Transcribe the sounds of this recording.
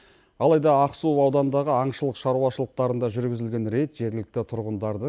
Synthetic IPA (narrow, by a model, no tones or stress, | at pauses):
ɑlˠɑjd̪ɑɑqsuɑwd̪ɑnnd̪ɑʁəɑɴʃəlˠəqʃɑɾuɑʃəlˠəq̚t̪ɑɾənd̪ɑʒʏɾɡʲɪzɪlɡʲe̞nɾe̞t̪ʒ̥e̞ɾɡʲɪlɪk̚t̪ɪt̪ʰʊɾʁənd̪ɑɾd̪ə